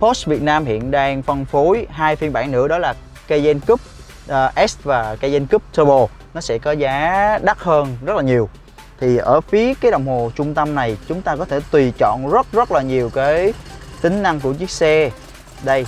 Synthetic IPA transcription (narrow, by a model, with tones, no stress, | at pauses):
po˦˥s̚vi˨˩ət̚naː˧mhḭ˧˨ənɗaː˧ŋfə˧nfo˨˦jɦaː˧jfi˧nɓaː˧˩ŋnɨ̰˧˥əɗɔ˨˦laː˨˩ | kə˧jzɛ˧nkɨ˦˥p̚ | ʔʔɛ˦˥st̚vaː˨˩ka˧jzɛ˧nkɨ˦˥p̚t̪ʰəː˧ɓo˧˩ | nɔ˨˦sɛ̰˧˥kɔ˨˦zaː˨˦ɗa˦˥t̚həː˧nzə˦˥t̚laː˨˩ɲi˨˩əw | t̪ʰi˨˩ʔə̰ː˧˩fi˨˦əkaː˨˦jɗə˨˩wŋ͡mho˨˩t͡ɕʊ˧ŋ͡mt̪ə˧mna˨˩jt͡ɕʊ˨˦ŋ͡mt̪aː˧kɔ˨˦t̪ʰe˧˩t̪wi˨˩t͡ɕɔ̰˧˨nzə˦˥t̚zə˦˥t̚laː˨˩ɲi˨˩əwkaː˨˦jt̪ï˨˦ŋ̟na˧ŋku˧˩ət͡ɕi˦˥ək̚sɛ˧ | ɗə˧j